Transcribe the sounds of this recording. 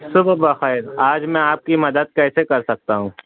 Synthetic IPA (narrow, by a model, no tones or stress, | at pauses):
sʊbbɐxɛːɪɾaːd͡ʒmɛ̃aːp̚kimɐd̪əd̪̚kɛːsekɐɾsɐk̚t̪aɦũː